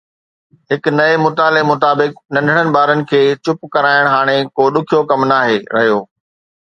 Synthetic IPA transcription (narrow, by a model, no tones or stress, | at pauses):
ɦɪknɐemʊt̪aːlemʊt̪aːbɪk̚nɐ̃nɖʱəɽ̃ənɪ̆ɓaːɾənɪ̆kʰeːt͡ɕʊpkɐɾaːɪɽ̃ɦaːɽ̃ekoːɗʊkʰijokɐmnaːɦeːɾɐ̰ɦjoː